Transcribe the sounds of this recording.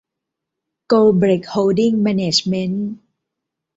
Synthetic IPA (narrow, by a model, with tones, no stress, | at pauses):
koː˧bɾe˨˩k̚ho˧wdi˥˩ŋmɛː˧neː˨˩t͡ɕme˦˥n